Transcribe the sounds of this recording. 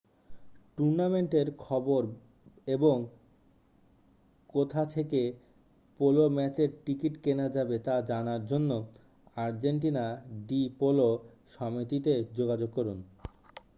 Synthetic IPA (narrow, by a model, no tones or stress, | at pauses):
ʈuɾnameɳʈeɾkʰɔboɾ | eboŋ | kot̪ʰat̪ʰeke | polomɛt͡ɕeɾʈikiʈkenad͡ʑabet̪ad͡ʑanaɾd͡ʑonːo | aɾd͡ʑeɳʈ̬inaɖipoloʃɔmit̪it̪ed͡ʑoɡad͡ʑoɡ̚kɔɾun